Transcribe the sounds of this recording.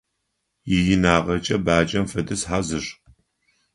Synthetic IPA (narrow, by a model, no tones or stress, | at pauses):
jɪjɪnaːʁɐt͡ʃʼɐbaːt͡ʃʼɐmfɐdɨsħazɨʂ